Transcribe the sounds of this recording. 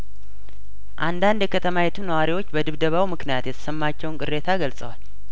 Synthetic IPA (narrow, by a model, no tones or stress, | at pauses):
ʔand̪and̪jɛkʰət̪ʰəmajɛt̪ʰunəwaɾiwo̞t͡ʃːbəd̪ɨβd̪əβawmɨknijat̪jɛt̪ʰə̥səmːat͡ʃːɛwnkʼɨrːe̞t̪ʰaɡəlsʼəwal